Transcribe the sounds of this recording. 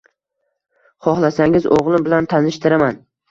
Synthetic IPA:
χɒhlˠasaŋʲɪzoʁlˠɪmbɪlant̪ʰanɪʃt̪ɪɾaman

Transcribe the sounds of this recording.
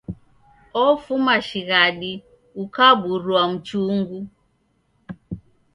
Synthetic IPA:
ɔfumaʃiɣaɗi | ukaɓuɾwam̩t͡ʃuŋɡu

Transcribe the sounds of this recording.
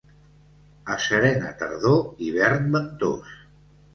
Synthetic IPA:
əsəɾɛnət̪ə̰ɾðoiβɛɾnbək̚t̪o̰s

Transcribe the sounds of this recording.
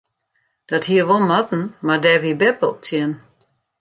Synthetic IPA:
d̥ɔthiəʋomɔtn̩madɛːvibɛpəɔp̚t͡sʰjɛn

